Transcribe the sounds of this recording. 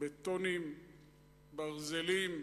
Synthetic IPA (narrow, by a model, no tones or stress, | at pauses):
bet̪onim | baʁzelim